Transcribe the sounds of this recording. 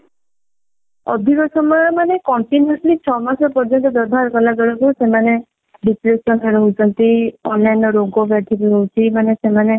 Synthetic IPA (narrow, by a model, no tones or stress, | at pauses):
ɔ̰d̪ʱikɔsɔmɔjɔmanekɔɳʈinɔslit͡ʃʰɔmasɔpɔɾd͡ʒɔnt̪ɔd̪ɔɾbʱaɾkɔlaɡɔɽɔkusemane | ɖisɾesɔnɔɾɔɦut͡ʃʰɔnt̪iɔnlajnɔɾoɡobjat̪ʰikuɾowt͡ʃʰimanesemane